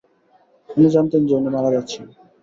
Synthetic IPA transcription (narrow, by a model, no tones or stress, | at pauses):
onid͡ʑamt̪end͡ʑonːemalad͡ʑatːɕʰi